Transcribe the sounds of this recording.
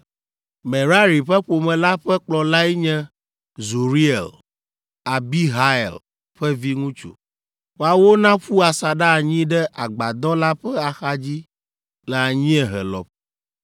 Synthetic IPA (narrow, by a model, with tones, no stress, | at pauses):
meɛ˨ɾa˦ɾi˨ɸɛ˦ɸo˨mɛ̃˨la˦ɸɛ˦k͡plɔ˨la˦ɛ˦ɲɛ̃˦ | zu˨ɾi˦ḛ˨l | a˨bi˦ɦa˦ɛ̰˨l | ɸɛ˦vi˦ŋũ˦t͡ʃṵ˨ | wo˨a˨wo˦nã˦ɸu˦a˨sa˨ɖa˦˨ɲĩ˦ɖɛ˦ʔa˨ɡ͡ba˨d̪ɔ̃˦la˦ɸɛ˦a˨xa˦d͡ʑi˦ | lɛ˨a˨ɲĩ˦ɛ˨ɦɛ̰˨lɔ̰˨ɸ